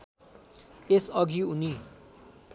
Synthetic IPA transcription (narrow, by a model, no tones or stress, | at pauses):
esʌɡʱiuni